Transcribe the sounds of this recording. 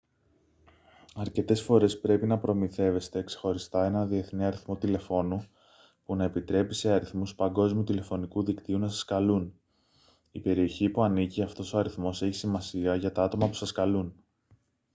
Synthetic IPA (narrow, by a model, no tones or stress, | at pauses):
ɐɾce̞t̪e̞sfo̞ɾe̞spɾe̞pinɐpɾo̞miθe̞ve̞st̪e̞kse̞̥xo̞ɾist̪ɐe̞nɐnðie̞θniɐɾiθmo̞t̪ile̞fo̞nu | punɐe̞pit̪ɾe̞pise̞ɐɾiθmuspɐŋɡo̞zmiut̪ile̞fo̞nikuðikt̪iunɐsɐ̥skɐlun | ipe̞ɾio̞çipuɐniciɐft̪o̞so̞ɐɾiθmo̞se̞çi̥simɐsiɐʝɐt̪ɐɐt̪o̞mɐpu̥sɐskɐlun